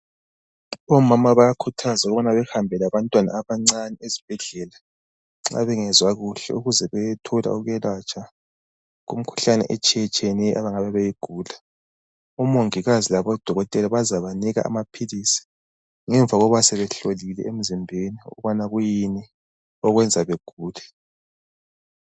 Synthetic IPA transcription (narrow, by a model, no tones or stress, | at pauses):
ɔmamaβajakʰutʰazauɣuβanaβɛxambʱɛlaβantʼwana̰ːβaŋ͡ǀanɛezib̥ʱɛɮɛla | ŋ͡ǁa̰βɛŋɛzwaɣuɬɛ̰uɣuzɛβɛjɛtʰɔla̰uɣujɛlat͡ʃʰʼa | ɣum̩kʰu̥ɬanɛ̰ʔɛt͡ʃʼɛt͡ʃʰʼɛnɛʔaβaŋaβɛβɛjeɡ̥ʱuːla | umoŋiɣazilaβɔd̥ʱɔɣɔtʼɛlaβazaβaniɣa̰ʔa̰mapʰilisi̥ | ŋɛɱvʱaɣɔβasɛβɛɬolilɛ̰em̩zimbʱeniɔ̰βanaɣujini | ɔɣwɛnd͡zʱaβeɡ̥ʱuːlɛ